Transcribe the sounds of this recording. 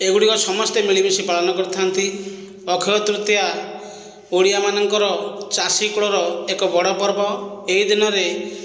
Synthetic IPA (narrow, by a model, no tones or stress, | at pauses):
eɡuɽikɔsɔmɔst̪emiɭibisipaɭɔnɔkɔɾt̪ʰant̪i | ɔkʰɔɔt̪ɾut̪ja | oɽijamanɔŋkɔɾɔt͡ʃasikuɭɔɾɔekɔbɔɽɔpɔɾbɔeid̪inɔɾe